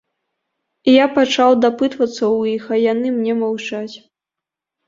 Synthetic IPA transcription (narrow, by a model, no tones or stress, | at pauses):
ijapat͡ʂawd̪apɨt̪vɐt̪sːɐwixɐjanɨmnʲɛmawt͡ʂat͡sʲ